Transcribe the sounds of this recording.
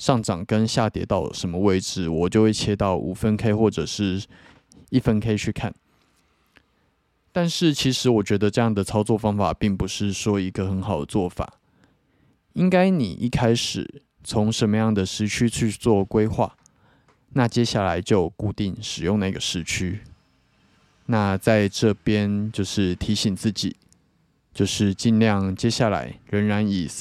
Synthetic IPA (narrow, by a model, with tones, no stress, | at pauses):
ʂɑ˥˩ŋʈ͡ʂɑ˨˩ŋkə˦nɕja˥˨t̪jɛ̰˨˦t̪ɑ˥˩ʊlə̰˩ʂə˧˦nmə˧we˥˩ɪʈ͡ʂɻ̩˨˩wɔ˨˩t͡ɕjo˥˧ʊxwe˥˩ɪt͡ɕʰjɛ˥t̪ɑ˥˩ʊʔu˨˩fə˦nkʰe˥ɪxwɔ˥˩ʈ͡ʂə˨˩ʂɻ̩˥˩ | i˥˩fə˦nkʰe˥ɪi˨˧t͡ɕʰy˥˩kʰa̰˥˨n | t̪a˥˧nʂɻ̩˥˩t͡ɕʰi˧˥ʂɻ̩˧˦wɔ˨˩t͡ɕɥɛ˧˥d̪ə˧ʈ͡ʂɤ˥˧jɑ˥˩ŋd̪ə˩t͡sʰɑ˥ʊt͡swɔ˥˩fɑ˥ŋfa̰˨˩pi˥˩ŋpu˧˦ʂɻ̩˥˩ʂwɔ˥i˧˥ɡə˨xə˧˦nxɑ˨ʊd̪ə˩t͡swɔ˥˩fa̰˨˩˦ | i˦ŋka˥ɪnḭ˨˩ʔḭ˥˩kʰa˥ɪʂɻ̩̰˨˩ | t͡sʰo˧˦˥ŋʂə˨˧nmə˧jɑ˥˩ŋd̪ə˨˩ʂɻ̩˧˥t͡ɕʰy˥t͡ɕʰy˥˧t͡swɔ˥˨˩kwe˥ɪxwa̰˥˩ | na˥˨t͡ɕjɛ˥ɕja˥˩la˧˦ɪt͡ɕjo˥˧ʊku˥˧t̪i˥˩ŋʂɻ̩˨˩jʊ˥˧ŋna˥˩ɡə˩ʂɻ̩˧˥t͡ɕʰy˥ | na˥˧t͡sa˥˧ɪʈ͡ʂɤ˥˩pjɛ˦˥nt͡ɕjo˥˧ʊʂɻ̩˥˩t̪ʰi˧˥ɕi˨˩ŋt͡sɹ̩˥˩t͡ɕḭ˨˩˦ | t͡ɕjo˥˧ʊʂɻ̩˥˧t͡ɕi˥˧nljɑ˥˨ŋt͡ɕjɛ˥ɕja˥˩la̰˧˦ɪɻə˧˦˥nɻa˧˦ni˨˩